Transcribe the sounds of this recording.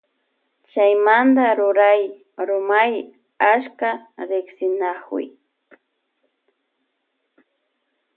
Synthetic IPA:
t͡ʃajmand̪aɾʊɾaj | ɾʊmaj | askaɾɪksɪnakwɪ̰j

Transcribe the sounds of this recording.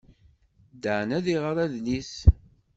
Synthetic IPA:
d̪əʕənæðiʁəɾˤæðnis

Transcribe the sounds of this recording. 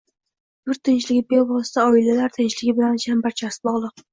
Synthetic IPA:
b̪̥ʊɾt̪ʰːɪnt͡ʃlɪɡʲɪbebɒst̪ʰaɒɪlalaɾt̪ʰɪnt͡ʃlɪɡʲɪbɪlanʃambaɾt͡ʃʰasɪ̥bɒʁlˠɨq

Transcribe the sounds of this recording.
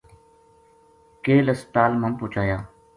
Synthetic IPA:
keːləst̪aːlməmpʊːt͡ʃaːjaː

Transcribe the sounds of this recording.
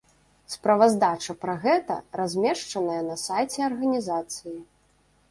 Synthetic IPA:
spɾɐvɐzd̪at͡ʂɐpɾɐɣɛt̪ɐ̰razʲmʲɛʂt͡ʂɐnɐjɐnɐsajt͡sʲɛɐrɣɐnʲizat̪sɨji

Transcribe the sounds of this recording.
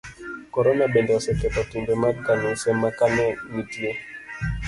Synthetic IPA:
kɔɾɔnaɓɛndasɛkɛpatumbɛmakanusɛmakanɛmitiɛ

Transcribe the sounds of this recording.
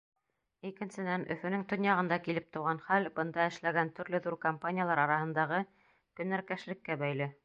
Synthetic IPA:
ikɘ̆nsɘ̆d̪ænʔɵ̰̆fɵ̆nɘŋt̪ŏnjɑʁɤ̆nd̪ɑkilɘp̚t̪ŏwʁɑnχælbɤ̆nd̪ɑɘ̆ʃlæɡænt̪ɵ̆ɾlɵðuɾkɐmpanʲɪjalˠɑɾɑɾɑhɤ̆nd̪ɑʁɤ | kɵ̆nːæɾkæʃlɘ̆kːæbæjlɘ

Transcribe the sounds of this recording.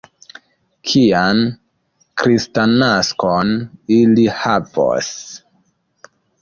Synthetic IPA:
kʰian | kɾistanaskonilihavo̰s

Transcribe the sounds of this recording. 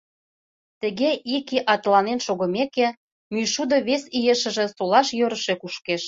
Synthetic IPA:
t̪ə̆ɣeʔikiʔɑt̪lɑnenʃoɣɤ̆mekĕ | myʃud̪ɤ̆βesijeʃə̆ʒĕsolɑʃjøɾə̆ʃekuʃkeʃ

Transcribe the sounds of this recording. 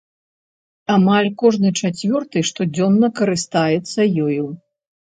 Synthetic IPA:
amalʲkɔʐnɨt͡ʂat͡sʲvʲɔrt̪ɨʂt̪ɔd͡zʲɔnːɐkɐɾɨst̪ajɛt̪sːɐjɔjuw

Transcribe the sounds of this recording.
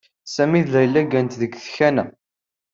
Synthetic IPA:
sæmiðlæjəlːæɡænt̪ðəɡθçænæ

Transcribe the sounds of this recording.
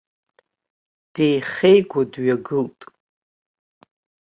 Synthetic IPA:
d̥ejχejɡʷadɥaɡɨltʼ

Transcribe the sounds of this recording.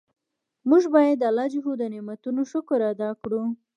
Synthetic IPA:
muʒbɑjad̪ːalɑd͡ʒɪɦod̪ənɪmat̪unoʃʊkʊɾad̪ɑkɽu

